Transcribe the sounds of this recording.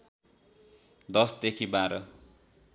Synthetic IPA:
d̪ʌsd̪ekʰibaɾʌ

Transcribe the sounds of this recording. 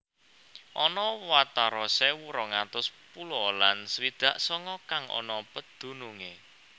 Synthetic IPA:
ʔɔnɔwat̪aɾɔsewuɾɔŋat̪ʊspulɔlansəwid̪̥a̤ʔsɔŋɔkaŋʔɔ̰nɔpəd̪̥ṳnuŋe

